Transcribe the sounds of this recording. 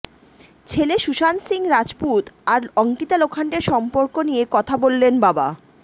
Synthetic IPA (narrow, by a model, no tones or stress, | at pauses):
t͡ɕʰeleʃuʃansiŋɾad͡ʑput̪aɾɔŋkit̪alokʰaɳʈeɾʃɔmpoɾkonijekɔt̪ʰabolːenbaba̰